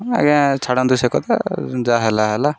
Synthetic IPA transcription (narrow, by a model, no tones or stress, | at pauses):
ɛ̰ɡɛ̃t͡ʃʰaɽãnd̪usekɔt̪ɛ̰d͡ʒaɦɛlaɦɛla